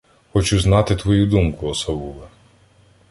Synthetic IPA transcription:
xɔt͡ʃuznɑt̪ɪt̪ʋɔjud̪umkʊɔsɐʋulˠe

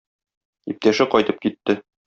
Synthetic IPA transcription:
ip̚t̪æʃɘqɒjt̪ɤp̚kit̪ːɘ

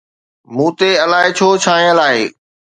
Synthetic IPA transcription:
mũːt̪eɐlaːɦɪt͡ɕʰoːt͡ɕʰaːɦẽəlaːɦeː

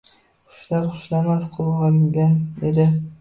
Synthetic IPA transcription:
χʊ̥ʃlaɾχʊʃlamasqʰolˠʁɑŋɡʲand̪ed̪ɪ

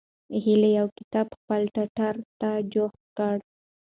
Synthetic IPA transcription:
ɦilejawkɪ̥t̪ɑbxpəlʈaʈaɾt̪ad͡ʒox | kəɽ

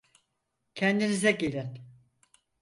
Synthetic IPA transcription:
cʰɛnd̪inizɛɟilʲin

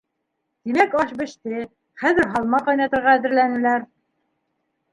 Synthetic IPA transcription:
t̪imækɑʃbɘ̆ʃt̪ɘ | χæðɘɾɦɑlˠmɑqɑjnɑt̪ɤ̆ɾʁɑæðɘ̆ɾlænɘ̆læɾ

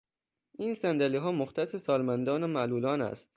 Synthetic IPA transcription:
ʔiːnsænd̪æliɦɒːmoxt̪ʰæsesɒːlmænd̪ɒːnomæʔluːlɒːnæ̰st̪

